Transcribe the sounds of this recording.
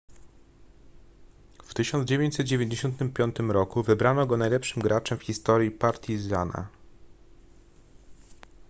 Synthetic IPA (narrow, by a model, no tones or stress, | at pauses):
ft̪ɘɕɔnd̪zd͡ʑevʲjẽɲt͡ɕʲsɛt̪̚d͡ʑevʲjeɲd͡ʑeɕɔnt̪ɘmpʲjɔnt̪ɘmɾɔkuvɘbɾanɔɡɔnajlɛpʂɘmɡɾat͡ʂɛmfxʲist̪ɔɾjipaɾt̪ʲʰizana̰